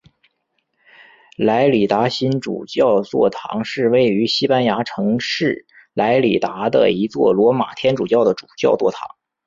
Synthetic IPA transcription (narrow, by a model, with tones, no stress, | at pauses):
la˧˥ɪli˨˩t̪a˧˥ɕi˥nʈ͡ʂṵ˨˩t͡ɕjɑ˥˧ʊt͡swɔ̰˥˩t̪ʰɑ̰˧˥ŋʂɻ̩˥˧we˥˩ɪy˧˥ɕi˥pa˥nja˧˥ʈ͡ʂʰɤ˧˥ŋʂɻ̩˥˩ | lʔa˧˥ɪli˨˩t̪a˧˥d̪ə̰˧i˧˥t͡swɔ̰˥˩lwɔ˧˥ma̰˨˩t̪ʰjɛ˥nʈ͡ʂu˨˩t͡ɕjɑ˥˩ʊd̪ə˩ʈ͡ʂu̥˨˩t͡ɕjɑ˥˧ʊt͡swɔ˥˩t̪ʰɑ̰˧˥ŋ